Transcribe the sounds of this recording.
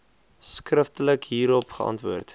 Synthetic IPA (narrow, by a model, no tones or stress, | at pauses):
skrəftələkɦiːɾɔpχəɑ̰ntvuərt